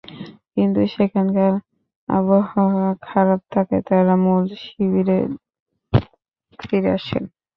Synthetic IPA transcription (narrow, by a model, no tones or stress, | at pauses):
kint̪uʃekʰankaɾ | a̰bohakʰaɾab̚t̪ʰaket̪aɾamulʃibiɾe | tʰiɾea̰ʃḛn